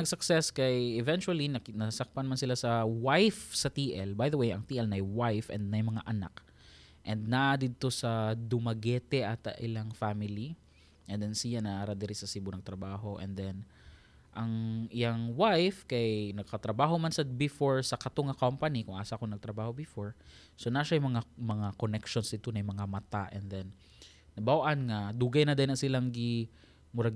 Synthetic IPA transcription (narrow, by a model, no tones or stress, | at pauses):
ɐɡ̚sʊksɛskɐjɛvɛnt͡ʃʊɐlinɐnɐsɐk̚paɐnmɐnsɪlasɐwajfsɐt̪iːʔɛlbajðɐwejɐ̰ŋt̪iːʔɛlnɐjwajfʔɛ̰nd̪̚nɐjmɐŋaʔɐna̰k | ʔɛnd̪̚nɐd̪ɪd̪̚t̪o̞sɐd̪ʊmɐɡɛːt̪ɛʔɐt̪ʔɪlaŋfamɪli | ʔɛnd̪ɛnsijanɐʔaɾad̪ɛɾisɐsibʊnɐɡ̚t̪ɾɐbaːɦo̞ʔɛ̰nd̪ɛn | ʔɐŋʔɪjaŋwajfkajnɐɡ̚kɐt̪ɾɐbaːɦo̞mansɐbɪfoɹsɐkɐt̪oŋɐkompɐnikʊŋʔaːsakoŋnɐɡ̚t̪ɾɐbaːho̞bɪfoɹ | sonaʃajʊmɐŋamɐŋakonɛkʃonsd̪ɪt̪onɐjmɐŋamɐt̪aʔɛnd̪ɛnː | ɐbawʔanŋɐd̪uɡajnɐd̪ɛnɐsɪlaŋɡɪ | mʊɾɐɡ